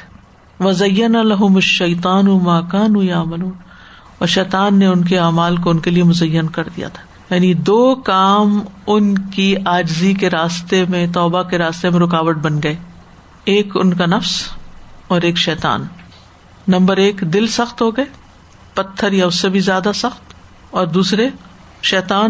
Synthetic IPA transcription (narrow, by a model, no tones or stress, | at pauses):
ʋɐzɐjːɐnalɐɦʊmɐʃːɐjt̪̬ˤɑːnumaːkaːnujaːmɐluːn | ɔːɾʃɛːt̪aːnːeʊnk̬eaːmaːlk̬oʊnkeliemʊzɐjːənkɐɾd̪ḭja̰t̪ʰḁː | jaːnid̪oːkaːmʊnkiaːd͡ʒzikeɾaːst̪emẽt̪ɔːbakeɾaːst̪emẽɾʊkaːʋəʈ̚bɐnɡɐeː | eːkʊ̰nkanɐfs | ɔːɾeːkʃɛːt̪a̰ːnː | ɐ̃mbəɾeːkd̪ɪlsɐxt̪ɦoɡɐeː | pɐt̪ʰːəɾjaʊsːebʱizjaːd̪asɐxt̪ | ɔːɾd̪uːsɾe | ʃɛːt̪aːn